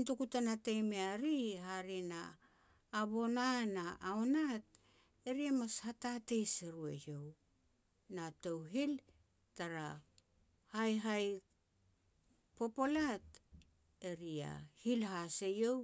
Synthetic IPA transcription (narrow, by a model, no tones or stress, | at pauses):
ntukutanatejmeaɾiɦaɾina̰ː | βo̞nanaʔaonat̚ | eɾiamashatate̞jseɾuḛjo̞w | natowɦil | taɾa | hajɦaj | po̞po̞lat | e̞ɾia̰hilɦasejo̞w